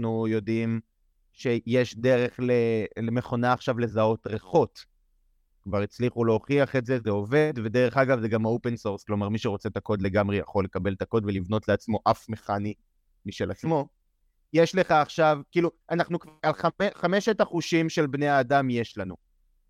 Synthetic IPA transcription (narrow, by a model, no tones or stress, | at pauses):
nujo̞dim | ʃe̞jeʃde̞ʁe̞χlelemeχo̞naːχʃavle̞zao̞tʁeχo̞t | kvaʁit͡sliχulooχiaχetzezeo̞ve̞d̪ve̞deʁe̞χaɡavzeɡamhaope̞nsoʁsklo̞maʁmiʃeʁo̞t͡se̞tako̞dle̞ɡamʁeja̰χo̞lːekabe̞lt̪ako̞dvelivno̞tleat͡smo̞ʔafmeχani | miʃelat͡smo̞ | jeʃle̞χaːχʃavkiːluanaχnukvalχaeχame̞ʃetaχuʃimʃe̞lbneaːdamje̞ʃlanu